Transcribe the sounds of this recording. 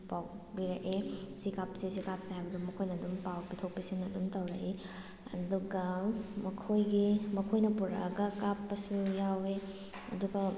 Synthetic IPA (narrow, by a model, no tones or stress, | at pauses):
pawbiɾɐʔesikapsisikap̚saɦajbɐdumːɐkʰojnɐːdumpawpitʰok̚pisiŋnɐdumtɐwɾɐʔi | ɐ̰duɡɐmɐkʰojɡimɐkʰojnɐpuɾɐ̰ɡɐkapːɐsujawe | ɐ̰duɡɐ